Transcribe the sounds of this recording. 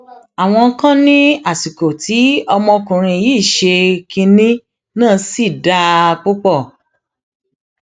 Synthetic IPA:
a˨w̃ɔ̃˧˦kã˦nĩ˦a˦˨si˨ko˨tʰi˨˦ɔ˧mɔ̃˧kũ˨ɾ̃ĩ˧˨jiː˦˨ʃe˧ki˧nĩ˦ | nãː˦˨˧si˦˨da˧k͡po˦k͡pɔ˦˨

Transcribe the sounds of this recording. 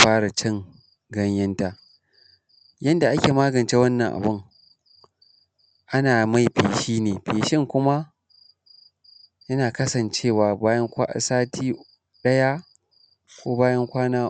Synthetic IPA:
ɸaː˦ɽa˨t͡ʃɪ˦ŋ | ɡɐ˦ɲjɐ˦nta˦ | jɐ˦nda˨ʔa˦kʲeː˨maː˦ɡɐ˨nt͡ʃeː˦wɐ˦nːɐ˨ŋʔa̰˨bʊ˦˨ŋ | ʔa˦naː˨ma˦˨jɸeː˨ʃiː˦neː˨ɸeː˨ʃɪ˦ŋkʷʊ˦ma˦ | jɐ˦naː˨kɐ˦sɐ˨nt͡ʃeː˦˨waː˨baː˦jɐ˦ŋkʷa̰˦˨saː˦tʰiː˦ | ɗɐ˦ja˦ | kʷoː˦baː˦jɐ˦ŋkʷaː˦naː˦

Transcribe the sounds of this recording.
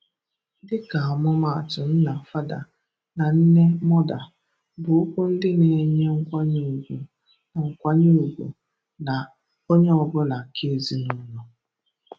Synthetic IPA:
dɪ˦ka˨a˨mʊ˦ma˨a˨tʊ˨n̩˦na˨fa˦da̰˨ | na˨n̩˦ne˦mɔ˦da˨ | bʊ˨ʊ˦kʷu˦n̩˦dɪ˦ne˨˦ɲe˦ŋ̩˦kʷa˦ɲu˦u˨ɡʷu˨ | ŋ̩˨kʷa˦ɲu˦u˨ɡʷṵ˨ | na˨ | o˦ɲe˦ɔ˦˨bʊ˦la˨kʰe˦zi˦nʊ˦nʊ˨

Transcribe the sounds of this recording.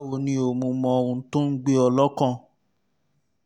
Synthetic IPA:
o˧nĩ˧˦o˨mũ˧mɔ̃˧o˧ũ˧˦to˦n̩˦ɡ͡be˦ɔ˧lɔ˦kɔ̃˦˨

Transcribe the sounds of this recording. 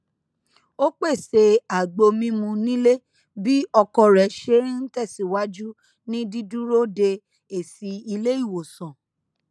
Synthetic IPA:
o˦k͡pe˦˨se˧a˨ɡ͡bo˧mĩ˦mũ˧nĩ˦le˦ | bi˦ɔ˧kɔ˧ɾɛ˨ʃe˦n̩˦tɛ˦˨si˨wa˦d͡ʒu˦ | nĩ˦di˦dũ˦ɾo˦de˧ | e˦˨si˨˧i˧le˦i˦˨wo˨sɔ̃˨

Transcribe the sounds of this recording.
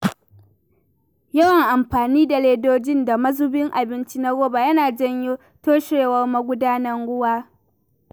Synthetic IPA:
jɐ˦wɐ˨ŋʔa˨mɸaː˨niː˦da˨leː˦doː˦d͡ʒɪ˦nda˨mɐ˦zʊ˦bɪ˦ŋʔa˨bɪ˦nt͡ʃi˦na˦ɡoː˦ba˨jɐ˦naː˨d͡ʒɐ˦ɲjo˦ | toː˦ʃeː˨wɐ˦rma˦ɡʷʊ˦daː˦nɐ˦ŋɽʊ˦waː˦

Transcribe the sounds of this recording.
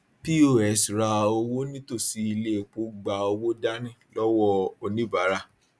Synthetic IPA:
pi˦o˦˨ɛ˧˨sɾa˧o˧wo˦nĩ˦to˦˨si˨˦i˧le˦˨k͡po˨˦ɡ͡ba˨o˧wo˦da˦nĩ˦˨lɔ˦wɔ˦o˧nĩ˦ba˨˦ɾa˦˨

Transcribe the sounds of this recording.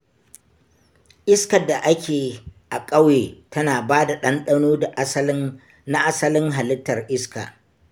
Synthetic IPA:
ʔɪ˦skɐ˨dːa˨ʔa˦kʲeː˨ʔa˨kʼɐ˦weː˨tɐ˦naː˨baː˦da˨ɗɐ˦nɗɐ˦noː˦da˨˦sn | na˦ʔa˦sɐ˦lɪ˦ŋɦa˨lɪ˦tːɐ˨rʔɪ˦ska̰ː˨

